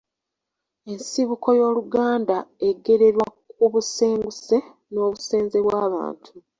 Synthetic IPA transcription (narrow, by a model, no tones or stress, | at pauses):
e̞nsiβuko̞jo̞ːluɡaːndae̞ɡe̞ɾe̞ɾwakk̚uβuse̞ːŋɡuse̞ | no̞ːβuse̞ːnze̞βwaːβa̰ːntʰu